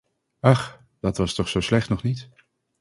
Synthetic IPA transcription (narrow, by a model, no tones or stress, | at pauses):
ɑχ | d̥ɑtʋɑstɔχsowslɛχtnɔχnit